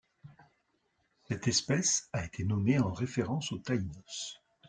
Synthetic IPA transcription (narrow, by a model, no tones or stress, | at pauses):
sɛt̪ɛspɛsaet̪ʰenɔmeɑ̃ʁefeʁɑ̃sot̪ainɔs